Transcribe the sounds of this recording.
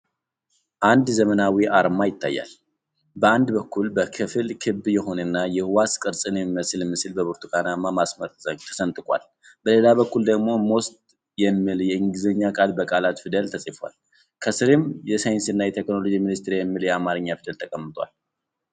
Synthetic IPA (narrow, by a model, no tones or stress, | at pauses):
ʔand̪zəmənawiʔaɾmajɪt̪ːa̰jːa̰l | bəand̪bəkːulbəkʰɨfɨlkʰɨbjɛɦo̞nənːajɛhwaskʼɨɾsʼɨnɛmiməsɨlmːɨsɨlbəbuɾt̪ʰukanamamasməɾt̪ʰə̥sənt̪ʼɨkʼa̰l | b̥əle̞laβəkːuld̪əɡmo̞most̪ʼ | jɛmːɨljɛɨŋɡɨzəɲːakʼalbəkʼalat̪fɨd̪əlt̪ʰəsʼifwa̰l | kʰəsɨɾɪmjɛsajɪnsɨnːajɛt̪ʰekno̞lo̞d͡ʒiminɨst̪ɾjɛmːɨljɛamaɾɨɲːafɨd̪əlt̪ʰəkʼəmːɨt̪ʼwa̰l